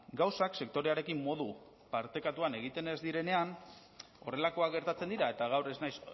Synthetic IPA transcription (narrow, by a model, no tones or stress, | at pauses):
ɡawsakse̞k̚t̪o̞ɾe̞aɾe̞kimːo̞ðu | paɾt̪e̞kat̪uane̞ɣ̞it̪e̞ne̞zd̪iɾe̞ne̞an | o̞̰re̞lako̞aɡe̞ɾt̪at͡se̞nd̪iɾae̞t̪aɣ̞awɾe̞znajs